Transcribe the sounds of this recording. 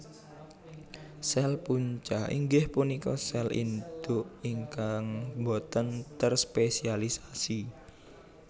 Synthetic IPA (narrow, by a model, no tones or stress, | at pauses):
sɛlpuɲt͡ʃaḭŋɡɪhpunikɔsɛlḭnd̪̥ʊʔiŋkaŋbot̪ənt̪ərspesialisasi